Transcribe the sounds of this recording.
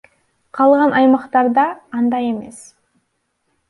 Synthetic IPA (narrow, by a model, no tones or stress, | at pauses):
qʰɑlˠʁɑnʔɑjmɑqt̪ɑɾd̪ɑqɑnd̪ɑje̞me̞̰s